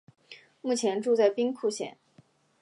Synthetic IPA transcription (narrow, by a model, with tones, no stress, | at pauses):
mu˥˩t͡ɕʰjɛ˧˥nʈ͡ʂu˥˧t͡sa˥˩ɪpi˥ŋkʰu˥˧ɕjɛ̰˥˩n